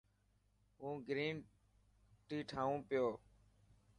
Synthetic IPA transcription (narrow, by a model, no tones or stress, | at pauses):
ɦũːɡɾiːm | ʈiːʈʰaːʋũːpɪjoː